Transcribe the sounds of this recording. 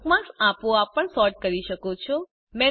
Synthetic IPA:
kmãsapoapːəɳsɔɾʈ̚kəɾiʃəkot͡ʃʰɔ | mɛ

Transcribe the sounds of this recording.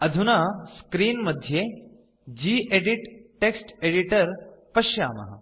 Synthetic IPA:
ɐd̪ʱunaskɾiːnməd̪ʱje | d͡ʑiːʔeɽiʈʈːeksʈeɽiʈəɾpɐɕja̰ːmɐ̰ɦɐ̰

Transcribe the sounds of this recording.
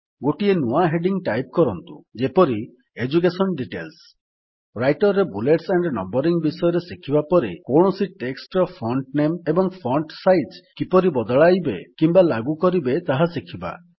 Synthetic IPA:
ɡoʈienuaɦeɖiŋʈajp̚kɔɾɔnt̪ṵd͡ʒepɔɾi | ed͡ʒuk̬esɔnɖiʈels | ɾajʈɔɾɾːebuleʈseɳɖnɔ̰mbɔɾiŋbisɔjɔɾesikʰibapɔɾekoɳ̃ɔsiʈeksʈɔpʰɾɔɳʈnemebɔŋpʰɔɳʈsajd͡ʒkipɔɾibɔd̪ɔɭajbekimbalaɡukɔɾibet̪aɦasikʰiba̰

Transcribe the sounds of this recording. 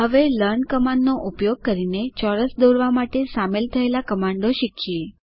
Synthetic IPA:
ɦəʋeləɾɳkəmãɳɖnoʔupjoɡ̚kəɾinet͡ʃɔɾəsd̪oɾʋamaʈesamelt̪ʰəelakəmaɳɖoʃikʰie

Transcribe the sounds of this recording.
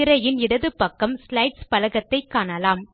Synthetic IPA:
ɪɾɐjɪnɪɽɐðɯpːɐkːɐmslɐɪʈspɐlɐɣɐt̪ːɐɪkːaːnɐlaːm

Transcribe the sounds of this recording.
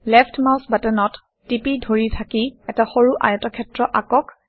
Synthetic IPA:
lɛpʰtmawsbatɛnɔtː | ipidʱoɹitʰakiɛtaxoɹuʔa̰jɔtɔkʰɛtɹɔʔakɔk

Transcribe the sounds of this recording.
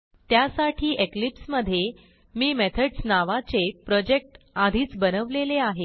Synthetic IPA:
t̪jasaʈʰiːʔeklipsməd̪ʱːje | miːmet̪ʰəɖsnaʋat͡sepɾɔd͡ʑek̚ʈ | ad̪ʱiːt͡sbənəʋleleaɦe

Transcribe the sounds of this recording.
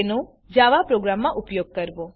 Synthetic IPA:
no | d͡ʒaʋapɾoɡɾamːãʔupjoɡ̚kəɾʋo

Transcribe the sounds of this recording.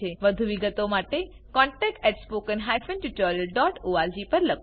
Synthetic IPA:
eʋəd̪ʱuʋiɡət̪omaʈe | kɔ̃ɳʈɛk̚ʈɛʈspokənɦajfənʈuʈɔɾiəlɖɔʈoad͡ʒipəɾlək

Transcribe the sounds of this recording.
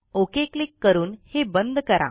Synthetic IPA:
okeklikːəɾuːnhebənd̪ʱkəɾa̰

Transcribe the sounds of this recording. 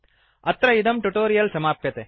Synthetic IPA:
ɐt̪ɾɐɪd̪ɐmʈuʈoːɾijɐlsɐmaːpjɐt̪e

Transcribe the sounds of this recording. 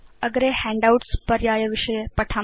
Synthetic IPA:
əɡɾehɛ̃ɳɖawʈspəɾjajəʋɪʃəjepəʈʰa

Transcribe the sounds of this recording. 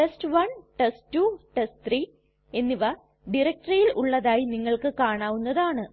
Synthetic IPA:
ʈestʋɐnʈestːuʈestt̪ʰriː | e̞nːiʋɐ | ɖiɾɐk̚ʈrɐjilṵɭːɐðaːjiniŋːɐɭkɨkaːɳaːʋunːɐðaːɳɨ

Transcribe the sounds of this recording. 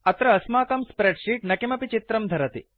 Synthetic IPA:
ɐt̪ɾɐːsmaːkɐmspɾeɖʂiːʈ̚nɐkimɐpit͡ʃit̪ɾɐmd̪ʱɐɾɐt̪ḭ

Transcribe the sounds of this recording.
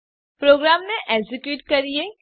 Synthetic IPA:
pɾoɡɾamneʔɛɡzikjuːʈkəɾije

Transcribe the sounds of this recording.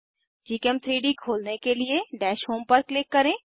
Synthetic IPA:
d͡ʒiːkɛmt̪ʰɾiːɖikʰoːlnekelieɖɛːʃɦoːmpɐɾklɪkːɐɾẽː

